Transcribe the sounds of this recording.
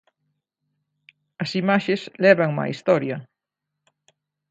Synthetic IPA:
ɐsimaʃeslɛβaŋma̰ist̪ɔɾjɐ

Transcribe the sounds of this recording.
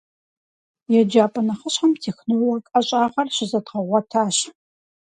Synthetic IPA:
jɛd͡ʒaːpʼɐnɐχəɕħɐmtʰiːxnɨwwɐkʼɐɕʼaːʁɐrɕɪzɐdʁɐʁʷɔtʰaːɕ

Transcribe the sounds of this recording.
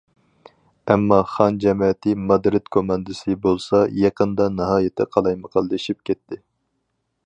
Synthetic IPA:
ɛmːɑχɑnd͡ʒɛmɛt̪ʰɪmɑd̪ɾɪt̪kʰomɑnd̪ɨsɨbolˠsɑjɑqʰənd̪ɑnɨɦɑːjet̪ʰɪ̰qʰɑlˠɑjməqʰɑlˠd̪ɨʃip̚kʲɛt̪ʰːɪ

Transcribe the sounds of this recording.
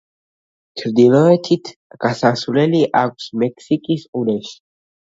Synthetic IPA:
t͡ʃʰɾd̪ilˠɔɛt̪ʰit̪ʰɡ̥asasvlɛliʔakʷʰsmɛkʰsikʼisuɾɛʃi̥

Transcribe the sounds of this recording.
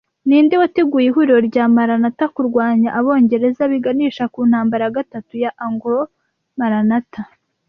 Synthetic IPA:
niːndiwateɡujiɦuɾɾo̞ɾɟaːmaɾanatakuɾɡwaːɲaʔaβo̞ːɲɟe̞ɾe̞zaβiɡaniːʃakuːnhaːmbaɾaaɡatatujaʔaŋɡuɾo | maɾanata

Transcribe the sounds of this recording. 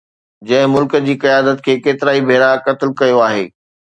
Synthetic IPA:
d͡ʑɐ̃ɦɪ̃mʊlkə̆d͡ʑiːkɐjaːd̪ət̪kʰeːkeːt̪ɪɾaːibʱeːɾakɐt̪ɪlkɐjoaːɦḛː

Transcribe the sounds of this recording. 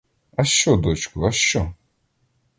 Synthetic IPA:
ɐʃt͡ʃɔd̪ɔt͡ʃkʊɐʃt͡ʃɔ

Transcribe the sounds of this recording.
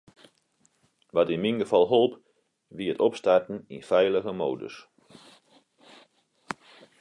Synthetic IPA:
ʋɑtɪnminɡəvɑlˠɦolˠp | ʋiətɔpstartn̩ḭnfɛjləɣəmo̰wdə̰s

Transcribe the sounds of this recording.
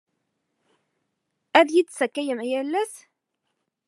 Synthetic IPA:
æðjid̪sækːæjəmjælːæs

